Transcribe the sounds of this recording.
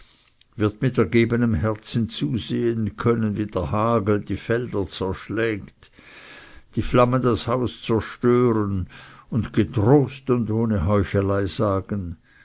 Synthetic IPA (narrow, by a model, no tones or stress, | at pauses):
vɪɐtmɪtɛɐɡeːbənəmhɛʁt͡sn̩t͡suːzeːənkʰœnənviːd̥eɐhaːɡl̩d̥iːfɛld̥ɐt͡sɛɐʃlɛːkt | d̥iːflaməndashaʊst͡sɛɐʃtøːɾənʊndɡetʁoːstʊndoːneɦɔʏçəlaɪz̥aːɡ̥ən